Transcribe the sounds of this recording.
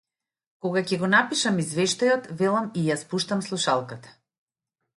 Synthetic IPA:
kɔɡacɛɡɔnapiʃamizvɛʃt̪ajɔt̪vɛlˠamijaspuʃt̪amslˠuʃalˠkat̪ḁ

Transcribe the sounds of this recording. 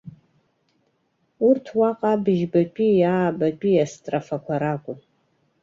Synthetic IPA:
urtʰwaqʼabɨʒbapʼijaːbapʼiastʼrafakʷʰaɾakʷʼʊ

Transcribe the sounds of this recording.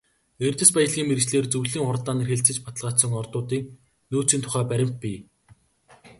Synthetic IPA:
ert̪ɘ̆spæjə̆ɮɣʲiːŋmert͡ɕɮeːrt͡sɵwɮiːŋχʊrt̪aːniːrxeɬt͡sɘ̆t͡ɕpat̪ə̆ɮʁaːt̪sə̆ŋɔrt̪ʊːt̪iːk̚ | noːt͡siːnt̪ʰʊ̥χæːpæɾʲɪ̆m̥t̪̚pʲi

